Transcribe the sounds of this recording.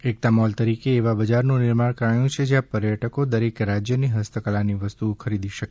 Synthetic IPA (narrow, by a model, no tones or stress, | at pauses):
ek̚t̪amɔlt̪əɾikeːʋabəd͡ʒaɾnũnɪɾmaɽkəɾajũt͡ʃʰed͡ʒjãpəɾjəʈəkod̪əɾekɾad͡ʒjəniɦəst̪ʰəkəlaniʋəst̪ukʰəɾid̪iʃəke̥